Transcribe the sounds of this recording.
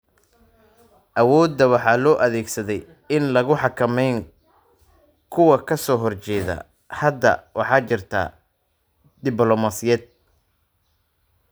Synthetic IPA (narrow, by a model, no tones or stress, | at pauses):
ʔɐwɔːd̪ːɐwɑħɑːlɔːʔɐðɛːɡsɐðɛj | ɪnlɐɣʊħɑkʰɐmɛjŋ | kʰʊwɐkʰɐsɔːɦɔrt͡ʃɛːðɐ̰ | hɐd̪ːɐ̰wɑ̰ħɑːt͡ʃɪrt̪ʰa̰ː | d̪ɪblɔmasɪjɛːd̪̚